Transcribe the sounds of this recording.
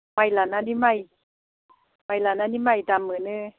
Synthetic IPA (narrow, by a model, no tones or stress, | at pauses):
majlananimaj | majlananimajdamːɯnɯ